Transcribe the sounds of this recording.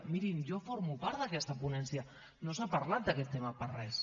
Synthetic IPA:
miɾind͡ʒofoɾmupaɾt̪d̪akɛst̪apunɛnsja | nosapaɾlat̪̚d̪akɛt̪ːemaparɛs

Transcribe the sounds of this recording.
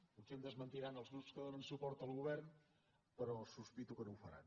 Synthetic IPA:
usɛmd̪əzmənt̪iɾanəlˠzɣɾupskəðonənsupɔɾt̪əlˠɣuβɛɾn | pəɾɔsuspit̪ukənowfəɾa̰n

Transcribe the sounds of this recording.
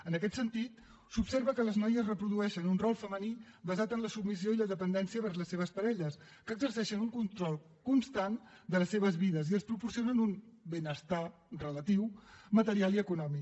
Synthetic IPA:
ənəkɛt̪sənt̪it̪ | supseɾβəkələznɔjəzrəpɾuðuɛʃənunrɔlˠfəmənibəzat̪ənləsubmis̬ioiləðəpənd̪ɛnsiəβəɾzləseβ̞əspəɾɛʎəs | kəːɡzərsɛʃənuŋkunt̪ɾɔlˠ | kunst̪an | d̪ələsːeβ̞əzβiðəziəlspɾupuɾsionənunbenəst̪a | rələt̪iwmət̪əɾialˠiəkunɔmi

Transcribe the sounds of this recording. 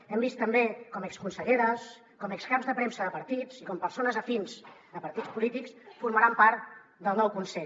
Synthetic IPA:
ɛmbist̪ːəmbekɔmɛkskunsəʎeɾəs | kɔmɛkskapzðəpɾemsəðəpəɾt̪it͡sikɔmpəɾsonəzəfinzd̪əpəɾt̪it͡spulit̪iksfuɾməɾampaɾt̪ | d̪əlˠnɔwkunsɛʎ

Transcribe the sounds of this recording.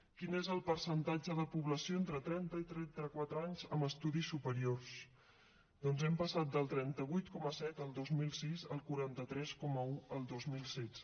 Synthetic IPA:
kinezəlˠpəɾsənt̪ad͡ʒəðəpuβləsioent̪ɾət̪ɾɛnt̪əit̪ɾɛnt̪əkwat̪ɾəaɲzəməst̪uðisːupəɾiors | d̪ɔnzɛmpəsat̪̚d̪əlˠt̪ɾɛnt̪əβ̞ujt̪kɔməsɛt̪əlˠd̪ozmilˠsizəlˠkuɾant̪ət̪ɾɛskɔməuəlˠd̪ozmilˠsɛt

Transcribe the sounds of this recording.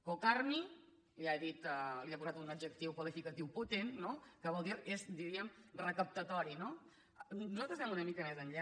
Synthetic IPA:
kokarmi | liaðit̪əliakuzat̪unəd͡ʒək̚t̪iwkolifikət̪iwput̪enːokəβɔlˠd̪iɾezd̪iɾiəmrəkəp̚t̪ət̪ɔɾino | nuzalt̪ɾəzβɛmunəmikəmezənʎa

